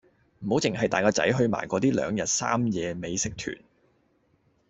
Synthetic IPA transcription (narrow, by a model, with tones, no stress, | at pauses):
m̩˨˩ho˨˥wt͡sɪ˨˩ŋɦɐ˨jt̪aː˨jkɔː˧t͡sɐ̰˨˥jɦɵ˧ɥma̰ː˨˩jkʷɔː˨˧t̪iː˥lœ̰ː˨˧ŋjɐ˨t̚sa̰ː˥mjɛː˧me˨˧jsɪ˨k̚t̪ʰy̰ː˨˩n